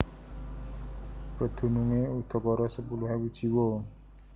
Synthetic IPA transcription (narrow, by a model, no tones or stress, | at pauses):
pəd̪̥ʰʱṳnuŋeut̪ʰɔkɔɾɔsəpuluɦewid͡ʒiwo